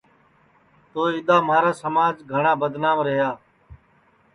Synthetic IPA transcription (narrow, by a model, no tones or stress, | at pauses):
t̪oːɪɗ̪aːmaːɾaːsəmaːd͡ʒɡʱəɳaːbəd̪naːmɾəɦjaː